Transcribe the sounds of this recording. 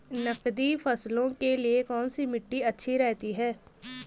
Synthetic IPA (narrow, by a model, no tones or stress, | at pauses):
nəkd̪iːpʰəslõːkeliekɔːnsiːmɪʈːiːətːʃʰiɾɛːt̪iːɦɛː